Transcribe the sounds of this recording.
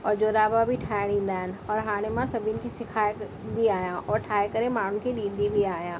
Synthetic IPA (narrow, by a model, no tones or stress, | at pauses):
ɔːɾd͡ʒoːɾaːbabʱiʈʰaːɽĩːnd̪aːɦɪnɔːɾɦaːɽ̃emãsɐbʱinkisɪkʰaːj | d̪iaːjãʔɔːɾʈʰaːekɐɾemaːɳʊ̃nkʰiɗiːd̪ibʱiaːjãː